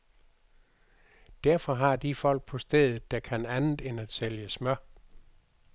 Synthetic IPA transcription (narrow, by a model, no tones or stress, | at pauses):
d̥æɐfɒ̽ɦɑ̈d̥ifɒ̽l̰ɡ̥̚pʰɒ̽sd̥eðˠð̩ˠd̥ækʰænænð̩ˠenæd̥seljəsmɶɐ